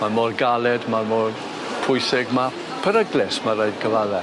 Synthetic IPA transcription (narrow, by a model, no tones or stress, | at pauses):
mamɔːrɡalˠɛdmamɔːr | pʰʊjsɪɡma | pʰəɾəɡlɪsmaɾajdɡʰəvaðɛ